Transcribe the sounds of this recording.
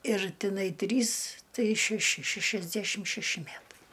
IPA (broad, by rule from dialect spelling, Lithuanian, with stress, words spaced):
ɪr ˈtʲɪnɐɪ ˈtʲrʲiːs ˈtɐɪ ʃʲæˈʃʲɪ ˈʃʲæʃʲɛzʲdʲæʃʲɪm ʃʲæˈʃʲɪ ˈmʲætɐɪ